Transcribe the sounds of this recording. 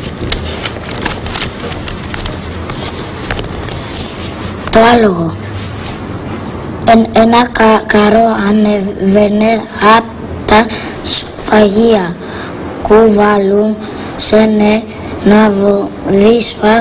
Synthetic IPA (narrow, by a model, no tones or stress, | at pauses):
t̪oaloɣo | enakaɾoamevene | ap | t̪a | sfaɣia | kuvalum | sene | navoðisfa